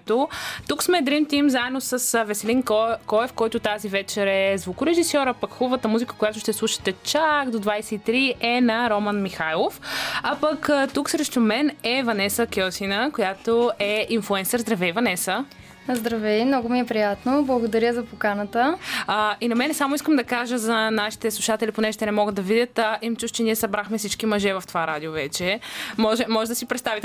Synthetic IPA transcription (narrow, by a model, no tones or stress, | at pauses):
t̪ot̪uksmɛd̪ɾimt̪imzaɛdnosəsvɛsɛlinkɔɛfkɔjt̪ʊt̪azivɛt͡ʃɛɾɛzvukʊɾɛʒisɔɾapəkxuvət̪əmuzikə̥kojat̪oʊʃt̪ɛslˠuʃə̥t̪ɛt͡ʃaɡd̪od̪vajsɛit̪ɾiɛnɐɾɔmənmixajlˠofapəkt̪uksɾɛʃt̪omɛnɛvɐnɛsəkʲɔsinəkojat̪oɛinflˠuɛnsəɾzd̪ɾɐvɛjvɐnɛsə | zd̪ɾɐvɛmnɔɡʊmiɛpɾijat̪noblˠɐɡod̪ɐɾʲjəzɐpokanət̪əəinɐmɛnɛsamoʊiskəmd̪ɐkaʒəzɐnaʃi̥t̪ɛslˠuʃat̪ɛlʲiponɛʒɛʃt̪ɛnɛmɔɡəd̪ɐvid̪ʲət̪əʔimt͡ʃuʃt͡ʃɛniɛsɐbɾaxmɛfsit͡ʃkimɐʒɛvɐft̪ovaɾad̪iovɛt͡ʃɛmɔʒɛmɔʒɛd̪ɐsipɾɛt̪st̪avit̪